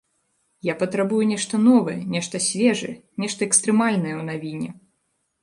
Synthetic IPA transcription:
japɐt̪ɾabujunʲɛʂt̪ɐnɔvɐjɛnʲɛʂt̪ɐsʲvʲɛʐɨɛnʲɛʂt̪ɐɛkst̪ɾɨmalʲnɐjɛwn̪avʲinʲɛ̰

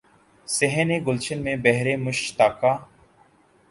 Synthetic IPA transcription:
seɦəneːɡʊlt͡ʃənmẽːbɛɦɾeːmʊʃt̪aːkaː

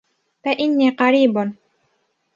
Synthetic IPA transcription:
faʔɪnːiːqɑɾiːbn

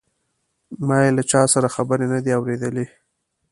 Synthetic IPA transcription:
mɑjelat͡ʃɑsaɾaxabəɾenad̪eawɾed̪əle

